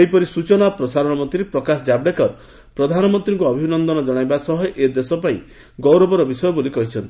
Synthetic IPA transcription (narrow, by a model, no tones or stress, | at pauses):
ejpɔɾisut͡ʃɔnapɾɔsaɾɔɽ̃ɔmɔnt̪ɾipɾɔkasɔd͡ʒabɖekɔɾ | pɾɔd̪ʱanɔmɔnt̪ɾiŋkuɔbʱinɔnd̪ɔnɔd͡ʒɔɽ̃ajbasɔɦɔʔed̪esɔpaḭ̃ | ɡɔwɾɔbɔɾɔbisɔjɔbolikɔɦit͡ʃʰɔnt̪